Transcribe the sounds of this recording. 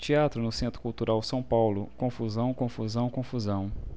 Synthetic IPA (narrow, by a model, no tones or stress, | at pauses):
t͡ʃiat̪ɾʊnʊsẽnt̪ɾʊkuwt̪uɾawsɐ̃w̃pawlʊkõfuzɐ̃w̃kõfuzɐ̃w̃kõfuzɐ̃w̃